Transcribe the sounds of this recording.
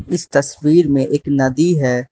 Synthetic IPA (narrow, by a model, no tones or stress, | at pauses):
ɪst̪ɐswiːɾmẽʔeːknɐd̪iɦɛː